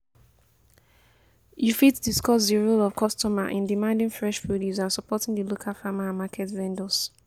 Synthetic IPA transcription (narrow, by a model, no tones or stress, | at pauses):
jufitdiskɔsdiɹolɔv̥kʰɔstɔma̰ʔɪ̃ndimãndɪ̃ŋfɹɛʃfudizãnsɔpɔtɪ̃ŋdilokʰalˠfamãnmakʰɛtvɛ̃ndəs